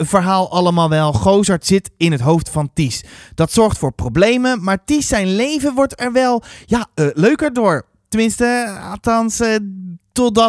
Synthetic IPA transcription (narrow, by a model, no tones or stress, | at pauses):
əvəɹɦaːlˠɑləmaːlˠʋɛlˠχowzɑɹtsɪtɪnətɦowftfɑntisd̥ɑtsɔɹχtfʊːɹprowblejməmaːɹtisɛjnlejvəʋɔɹtɛɹʋɛlˠjaløɥkəɹdʊːɹ | təmɪnstəa̰tɑns | tɔd